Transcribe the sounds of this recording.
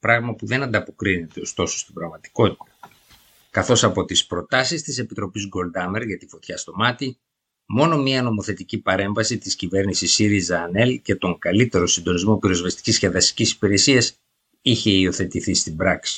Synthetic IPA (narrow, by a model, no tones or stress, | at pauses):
pɾɐɣmɐpuðe̞nɐnd̪ɐpo̞kɾine̞t̪e̞o̞st̪o̞so̞st̪ibɾɐɣmɐt̪i̥ko̞t̪it̪ɐ̥ | kɐθo̞sɐpo̞t̪ispɾo̞t̪ɐsist̪ise̞pit̪ɾo̞pizɡo̞ld̪ɐme̞ɾʝɐt̪ifo̞t̪çɐst̪o̞mɐt̪i | mo̞no̞miɐno̞mo̞θe̞t̪icipɐɾe̞ɱvɐsit̪iscive̞ɾnisisiɾizɐːne̞lce̞t̪o̞ŋkɐlit̪e̞ɾo̞sind̪o̞nizmo̞piɾo̞zvɐst̪i̥cisceðɐst̪i̥cisi̥piɾe̞siɐs | içe̞io̞θe̞t̪iθist̪ibɾɐksi̥